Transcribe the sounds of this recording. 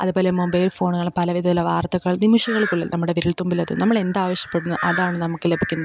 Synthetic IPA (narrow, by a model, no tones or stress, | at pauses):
ɐ̰ðubo̞ːlemombɐjlfo̞ːɳuŋɐɭpɐlɐʋid̪ʱɐt̪ːileʋaːrt̪ɐɣɐɭnimuʂɐɣɐɭikːuɭːɐnɐmːuɽeʋiɾiɭt̪umbilɐðɨ̰nɐmːɐɭe̞nd̪aːʋɐɕjɐ̥pːeɽunːɐʔɐðaːɳɨnɐmukːɨle̞bʱikʲːunːɐðɨ